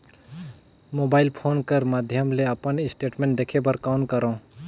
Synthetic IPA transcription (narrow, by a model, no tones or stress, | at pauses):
moːbaːɪlpʰoːnkəɾmad̪ʱjəmleɐpənɪsʈeːʈmẽːɳʈ̚d̪ekʰebəɾkaʊɳkəɾõː